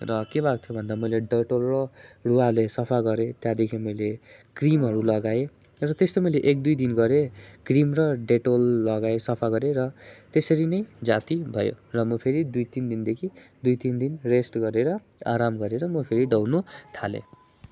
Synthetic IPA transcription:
rʌkebʱakt̪ʰjobʱʌnd̪amʌjleɖʌʈolrʌrualesʌpʰaɡʌɾet̪jad̪ekʰimʌjlekrimɦʌɾulʌɡae | rʌt̪est̪ʌmʌjleʔek̚d̪ujd̪inɡʌɾekrimrʌɖeʈolːʌɡaesʌpʰaɡʌɾeɾʌt̪esʌɾinʌjd͡zat̪ibʱʌjo̰rʌmʌpʰeɾid̪ujt̪ind̪ind̪ekʰid̪ujt̪ind̪inresʈɡʌɾeɾʌ | aɾamɡʌɾeɾʌmʌpʰeɾiɖʌwnut̪ʰalḛ

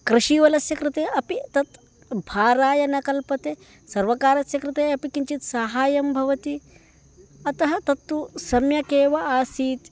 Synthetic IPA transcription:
kɾɪʃiːʋɐlɐsjɐkɾɪt̪eːɐpit̪ɐt̪ | bʱaːɾaːjɐnɐkɐlpɐt̪eː | sɐɾʋɐkaːɾɐsjɐkɾɪt̪eːɐpikiɲt͡ʃit̪saɦaːjɐmbʱɐʋɐt̪i | ɐt̪ɐɦɐt̪ɐt̪ːusɐmjɐkeːʋɐaːsiːt̪

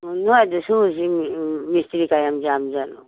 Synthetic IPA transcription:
nud̪ususimist̪ɾikajamd͡ʒamd͡ʒanu

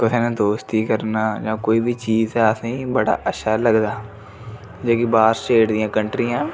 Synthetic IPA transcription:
kɪsʰeːnẽːd̪oːst̪iːkəɾnaːd͡ʒãːkoːiːʋiːt͡ʃiːzɛːəsĩːbəɽa̰ːʔəʃʰaːləɡd̪aː | d͡ʒõːkibaːɾsʈeːʈd̪ɪjãːkəɳʈɾijãː

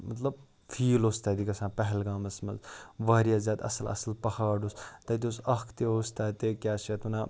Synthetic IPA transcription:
mɐt̪lɐb̚ | fʰiːloːst̪aːd̪ikɐsãːpɐɦɛlɡaːmɐsmɐ̰zʋaːɾjaːzʲjaːd̪ɐ̰sɐlɐ̰sɐlpɐhaːɖost̪ɐt̪̬osɐkʰt̪eɦoːst̪aːt̪eːkʲaːsat̪unaː

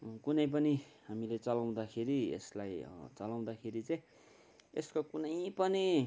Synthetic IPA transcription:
kunʌjp̬ʌniɦamilet͡sʌlaw̃d̪akʰeɾiḛslaj̰t͡sʌlaw̃d̪akʰeɾit͡saj̃ | eskokunʌjpʌni

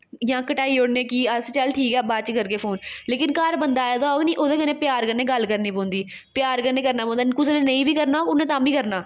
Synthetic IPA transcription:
jãːkəʈaːiːoɽnẽːkiːəst͡ʃəlʈʰiːkɛːbaːt͡ʃkəɾkeːpʰoːnleːkɪnkəɾbənd̪aːeːd̪ɔːɡniːʔoːd̪eːkənẽːpɪjaːɾkəɾnẽːɡəlkəɾnĩːpõːnd̪iː | pjaːɾkəɾnːeːkəɾnaːõːnd̪aːkʊsnẽːnə̃ĩːbiːkəɾnaːoːʊnãːt̪ãːbʱiːkəɾnaː

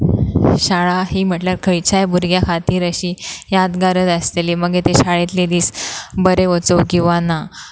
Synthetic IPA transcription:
ɕaɭaɦiːm̤əʈljaɾkʰəjt͡ɕʰajbuɾɡjakʰat̪iːɾəɕiːjad̪ɡaɾəd̪əst̪eliːməɡet̪eɕaɭet̪led̪iːsbəɾeʋət͡səwkĩw̃ʋana

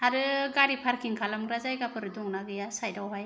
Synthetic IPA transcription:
aɾɯɡaɾipʰaɾkʰiŋkʰalamɡɾazajɡapʰɯɾɯdɔŋnaɡɯjasajdawɦaj

